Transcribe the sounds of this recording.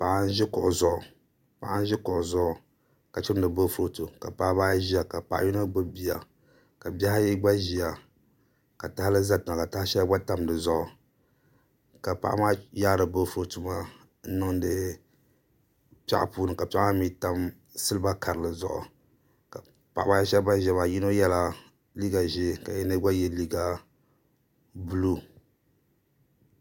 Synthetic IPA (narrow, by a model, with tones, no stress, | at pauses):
pa˨ʔa˦n̩˦ʒɪ˦kʊ˨ʔʊ˨zʊ˨ʔʊ˨ | pa̰˨ʔa˦n˦ʒɪ˦kʊ˨ʔʊ˨zʊ˦ʔʊ˨ | ka˨t͡ʃɪ˦ɾnɨ˨bo˦fu˦ɾo˦tu˨ka˨pa˦baː˦ʒi˦a˨ka˨pa˨ʔa̰˦ji˦na˦ɡ͡bɨ˦bi˦a˨ | ka˨bʲa˦ha˦ji˦ɡ͡ba˦ʒi˦a˨ | ka˨ta˦ha˦lɨ˦za˦ta˨a˨ka˨ta˦hʃɛ˦ɡ͡ba˦ta˦mdɨ˨zʊ˦ʔʊ˨ | ka˨pa̰˨ʔa̰˦maː˦jaː˦dɨ˨bo˦fʊ˦o˦tu˨ma˦ | nɨ˦ŋ˦dɨ˦ | pa̰˦ʔa̰˨puː˦nɨ˨ka˨pa˦ʔa˦mi˦ta˦m | sɨ˦lɨ˦ba˦ka˨ɾɨ˨lɨ˨zʊ̰˨ʔʊ̰˨ | ka˨ | pa̰˨ʔa˨˦aː˦ɛ˦ʃɛ˦ba˦ʒɛ˦maː˨ji˦no˦jɛ˦la˦ | li˦ɡa˨ʒe˦ka˨jɛ˦nɨ˦ɡa˦jɛ˦li˦ɡa˦ | bu˦lu˦